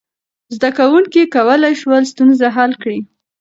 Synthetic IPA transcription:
zd̪akawuŋkikawəlajʃwəlst̪unzaɦalkɽi

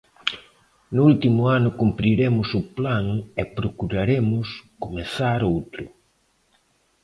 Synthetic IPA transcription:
nʊult̪imʊanʊkumpɾiɾemʊsʊplaŋɛpɾokuɾaɾemʊskomeθaɾowt̪ɾʊ

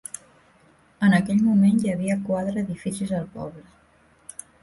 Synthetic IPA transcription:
ənəkɛʎmumenjəβ̞iəkwaðɾəːðifisizəlˠpɔ̰βlə

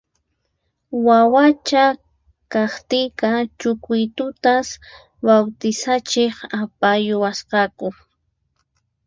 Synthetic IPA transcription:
wawat͡ʃa | kɑχt̪ɪjkɑt͡ʃʊkʊjt̪ʊt̪as | bawt̪ɪsat͡ʃeχapajʊwasqɑkʊ

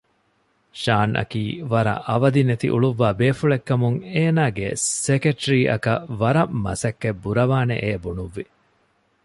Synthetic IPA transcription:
ʃaːnʔɐ̰kiːʋɐɾɐ̰ʔɐʋɐd̪inet̪ḭʔṵɭuʋːaːbeːfuɭekːɐmuŋeːnaːɡesekeʈɾiːʔɐ̰kɐʋɐɾɐmːɐ̰sɐkːebuɾɐʋaːnḛʔeːbunuʋːi

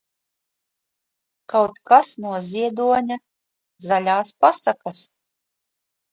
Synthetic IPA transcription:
kawt̪kasnuɔzʲiɛd̪uɔɲʲa | zalʲaːspasakas

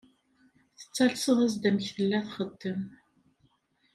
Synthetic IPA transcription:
θə̥t͡sːɑɬsəʁəz̬d̪æmçθəlːæθχəd̪ːəm

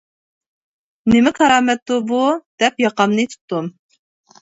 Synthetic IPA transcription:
nɪmɪkʰɑɾɑmɛt̪ːubud̪̥ɛpjɑqɑmnɨt̪ʰu̥t̪ːum

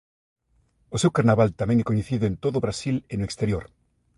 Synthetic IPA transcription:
osewkaɾnaβalt̪amẽŋɛkoɲeθiðʊẽnt̪oðʊːβɾasilenoekst̪eɾjoɾ

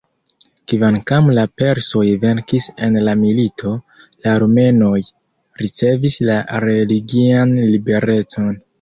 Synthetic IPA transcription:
kvankamlape̞ɾsojve̞ɾkise̞nlamilitʰo̞ | laɾme̞no̞j | ɾit͡se̞vislaɾe̞liɡianlibe̞ɾe̞t͡so̞n

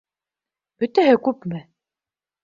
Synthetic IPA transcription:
b̥ɵ̆t̪æɦɘkʉpmɘ

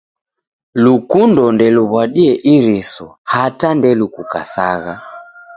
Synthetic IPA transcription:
lukundɔndɛluβwaɗiɛʔiɾisɔhatandɛlukuka̰sa̰ɣa

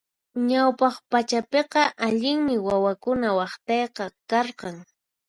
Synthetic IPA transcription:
ɲawpɑχpat͡ʃapeqɑʔaʎɪŋmɪwawakʊnawɑχt̪ɑjqɑkɑɾqɑŋ

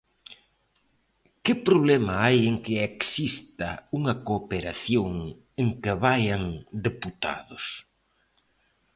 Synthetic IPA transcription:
kɪpɾoβlɛmɐajeŋkɪeksist̪ɐuŋɐkoːpeɾaθjoŋ | eŋkɪβajɐŋd̪eput̪a̰ðʊs

